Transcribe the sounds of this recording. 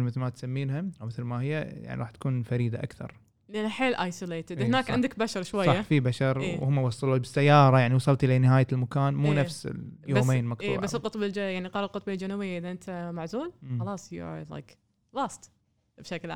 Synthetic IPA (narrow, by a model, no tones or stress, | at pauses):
mɪθlmat̪samːiːnɦaʔawmɪθlmahɪjːaja̰ʕnḭˤɑːħt̪ḁkuːnfaɾiːd̪aʔakθɑ̰ɾˤ | lʔanːaħeːlʔajsʊleːt̪ɪd̪hnaːkʕɪnd̪ɪkbaʃɑɾˤʃwajɑːħafibaʃɑɾˤwhʊmːawɑsˤːɑluːbɪsːajːɑːɾˤɑjaʕniwɑsˤɑlt̪ʔɪlenɪɦaːjalmakaːnmuːnafsɪ̰joːmeːnmɑq̚tuːʕbassːɪlqʊt̪ˤbɪld͡ʒajaʕniqɑːɾˤɑlqʊt̪ˤbild͡ʒanubɪjːaʔɪðaʔɪnt̪ʰamaʕzuːlxɑlɑːsˤjṵla̰jk | laːst̪ | bʃakla